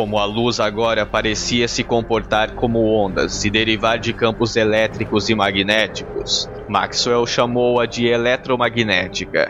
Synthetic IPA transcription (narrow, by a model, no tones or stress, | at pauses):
kõmʊɐluzaɡɔɾɐpaɾesiɐsɪkõpoɾt̪aɾkõmʊõnd̪ɐ̰sɪd̪eɾivaɾd͡ʒɪkɐ̃mpʊzelɛt̪ɾikʊzɪmaɡinɛt͡ʃi̥kʊs | ma̰kswɛwʃamowɐd͡ʒɪelɛt̪ɾomaɡinɛt͡ʃikɐ̰